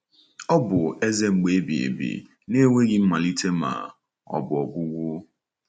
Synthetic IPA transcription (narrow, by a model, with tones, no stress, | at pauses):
ɔ˦bʊ˨e˦ze˦ŋ͡m̩˨ɡ͡be˨˦bi˨ḛ˨bḭ˨ | ne˦ŋʷe˦ɡɪ˦m̩˦ma˨li˦tʰe˦ma̰˨ | ɔ̰˨bʊ˨ɔ˨ɡʊ˦ɡʷʊ˦